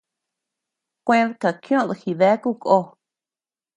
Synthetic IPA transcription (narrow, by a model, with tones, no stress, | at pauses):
kʷẽ˦ðka˨kj̃õ˦˨˧ðɨ˧xi˧ðe˦ku˦˨ko˦